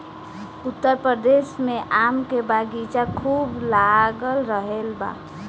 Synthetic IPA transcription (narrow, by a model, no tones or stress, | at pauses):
ut̪ːəɾpɾəd̪esmeʔamkebaɡit͡ʃakʰuːblaɡəlɾəɦelba̰